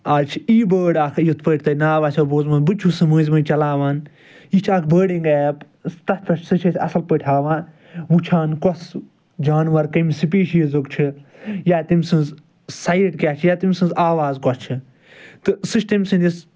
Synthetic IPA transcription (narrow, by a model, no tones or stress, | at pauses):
aːlt͡ʃʰiiːbəːɖaːkʰjut̪ʰpəːʈ̚ʰʲt̪ɐnaːʋaːsʰʲɐboːzmɐ̃nbɨt͡ʃʰusɨmɨːzmɐ̃t͡ʃɐlaːʋaːn | it͡ʃʰaːkʰbəːɖiŋɡɛːp | t̪ɐst̪ɐt͡ʃʰsɨt͡ʃʰɐsʰʲɐ̰sɐlpəʈʲʰaːʋaːn | ʋut͡ʃʰaːnkɔs | d͡ʒaːnʋɐɾkɐmsipiːʃizukt͡ʃʰijaːt̪imsɨ̃nz | sɐjʈkʲaːt͡ʃʰijaːt̪imsɨ̃nzaːʋaːzkɔst͡ʃʰɨ | t̪ɨsɨʃt̪ɐmʲsɨ̃nd̪ʲis